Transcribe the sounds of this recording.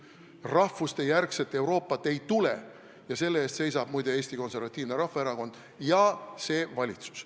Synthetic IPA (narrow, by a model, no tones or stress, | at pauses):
rɑfust̪e̞jærkset̪ːˑe̞wɾo̞ːpːˑɑt̪ːˑe̞jt̪ulḛ | jɑse̞lːeeːst̪se̞jsɑb̥mujd̪e̞e̞ːsʲt̪iko̞nse̞rvɑt̪ʲːˑiːvneɾɑhfːɑeɾɑko̞nd̪̥ | jɑse̞ːvɑlʲit̪su̥s